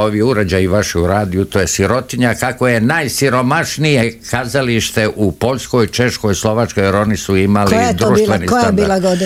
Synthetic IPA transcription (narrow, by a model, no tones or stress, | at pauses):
oʋijeuɾed͡ʑajiʋaʃɛuɾaːd̪ijut̪o̞jesiɾo̞t̪iɲakako̞je̞najsiɾo̞maʃnijekazaliʃt̪e̞ʔupo̞ʎʲsko̞jt͡ʃe̞ʃko̞jslo̞ʋat͡ʃkojeɾo̞nisuimalijad̪ɾuʃt̪ːʋenik̪jaabiːlaɡod̪i